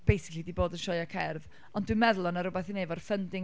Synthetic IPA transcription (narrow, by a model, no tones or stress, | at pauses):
b̥ejsɪ̥kʰlˠidiːboːdənʃɔɨakʰɛrv | ɔndwɨmɛðlˠɔnaɾʊbɛθinevɔrfəndɪ